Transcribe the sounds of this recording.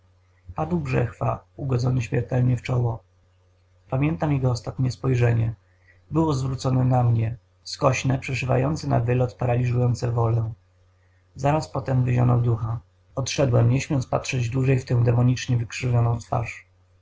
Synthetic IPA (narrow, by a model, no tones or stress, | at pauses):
pad̪wɡʐɛ̰xfauɡɔd̪zɔnɘɕmʲjɛɾt̪ɛlɲɛft͡ʂɔwɔ | pamʲjɛnt̪amjɛɡɔːst̪at̪ɲɛspɔjʐɛɲɛ | bɘwɔzvɾut̪sɔnɛnamɲɛ | skɔɕnɛpʂɛʂɘva̰jɔnt̪sɛna̰vɘlɔt̪paɾalʲizujɔnt̪sɛvɔlɛ | zaɾaspɔt̪ɛmvɘʑɔ̰nɔd̪uxa | ɔt̪ʂɛd̪wɛmɲɛɕmʲjɔnt̪spatʂɛd͡ʑd̪wuʐɛjft̪ɛ̃w̃d̪ɛmɔɲit͡ʂɲɛvɘkʂɘvʲjɔnɔ̃w̃t̪fa̰ʂ